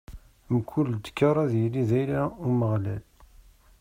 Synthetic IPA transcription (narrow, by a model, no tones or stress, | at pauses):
mkʰʷːuld̪ə̥kːɑɾˤɑðjəliðæjlauməʁlæl